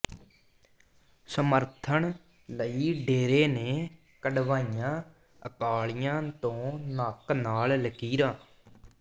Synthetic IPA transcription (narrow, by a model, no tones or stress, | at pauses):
səməɾt̪ʰəɳ | ləiːɖeːɾeːneː | kəɖʋaːijãː | əkaːɭijãːt̪õːnaːknaːlləkiːɾaː